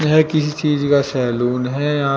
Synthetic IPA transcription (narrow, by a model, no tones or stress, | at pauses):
ɦɛkɪsit͡ʃiːd͡ʒkasɛːluːnɦɛjɐɦã